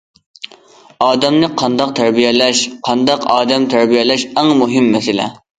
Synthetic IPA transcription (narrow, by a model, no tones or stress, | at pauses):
ɑːd̪ɛmnɨqʰɑnd̪ɑq̚t̪ʰæɾbijɛlɛʃqʰɑnd̪ɑqʰɑːd̪ɛmt̪ʰæɾbijɛlɛʃɛŋmuɦɪmːɛsɪlɛ̰